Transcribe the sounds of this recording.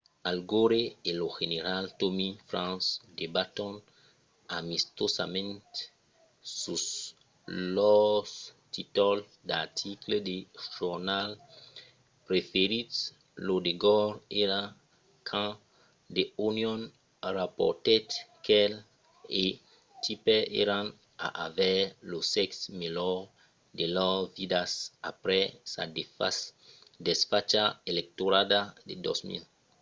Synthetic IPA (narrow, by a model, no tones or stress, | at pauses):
alɡoɾeeloʒeneɾaltomifɾãnsdebatɔ̃n | amist̪osamɛ̃nt | sus | lɔstit̪ɔl | dat̪ʰikledeʒ̥uʁnal | pɾefeɾit | lodeɡɔɾeɾa | kʰã | deunjɔ̃n | ɾapɔ̰t̪ɛt̪kʰɛl | e | tipɛḛɾãn | a̰ʔavɛlosɛksmelɔ | delɔvidasa̰pɾɛsa̰da | dɛsfat͡ʃaelɛk̚toɾadadedɔ̰smḭl